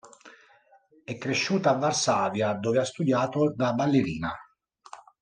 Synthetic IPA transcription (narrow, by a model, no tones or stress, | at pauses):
ɛkːɾeʃːuːt̪aːvːarsaːvjad̪oːveast̪ud̪jaːt̪od̪abalːeɾiːna